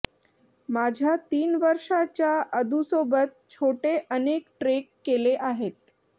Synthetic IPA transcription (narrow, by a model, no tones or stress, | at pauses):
mad͡ʑʱjat̪iːnʋəɾʂat͡ɕjaʔəd̪ʱusobət̪̚t͡ɕʰoʈeʔənekʈɾekːeleʔaɦet̪̚